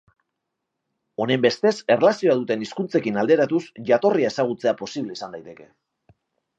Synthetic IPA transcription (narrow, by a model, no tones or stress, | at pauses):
o̞ne̞mbe̞st̪e̞se̞relasio̞aðut̪e̞niskunt͡se̞kinald̪e̞ɾat̪usʝat̪o̞riae̞saɣ̞ut͡se̞apo̞siβle̞isand̪ajt̪e̞ke̞